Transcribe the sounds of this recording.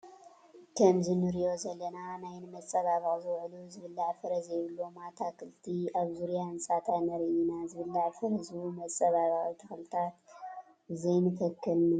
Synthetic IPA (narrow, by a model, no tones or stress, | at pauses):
kʰɐmzɨnɨɾijo̞zɐlːɐnanajnɨmɐt͡sʼːɐβaβɐxʼzɨwʕluzɨβɨlːaʕfɨɾɐzjɪβɨlːomat̪ʰakʰɨlt̪ʰiaβzuɾjaɨnsʼat̪ʰanɐɾɨjinazɨβɨlːaʕfɨɾɐzumɐt͡sʼːɐβaβɐxʼit̪ʰɐxlɨt̪ʰat̪ | zɐjnɨk̪ʰɐkːɨlnɨ